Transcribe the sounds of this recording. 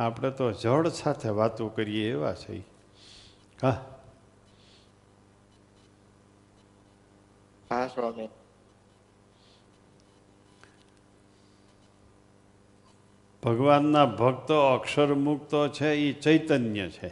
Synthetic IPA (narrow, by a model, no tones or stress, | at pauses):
apɽ̃et̪od͡ʒʱəɭsat̪ʰeʋat̪õkəɾijeːʋa̰t͡ʃʰə̰i | a | ɦasʋami | b̥ʱəɡʋanːabʱək̚t̪oːkʃəɾmukt̪ot͡ʃʰeit͡ʃəjt̪ənjət͡ʃʰe